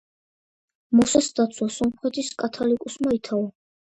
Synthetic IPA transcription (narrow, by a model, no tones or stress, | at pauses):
mɔsasd̪at̪sʰwasɔmχɛt̪ʰiskʼat̪ʰalikʼusmait̪ʰaɔ